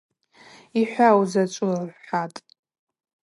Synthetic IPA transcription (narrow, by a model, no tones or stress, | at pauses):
iħʷawzat͡ʃʷʼʊrħʷatʼ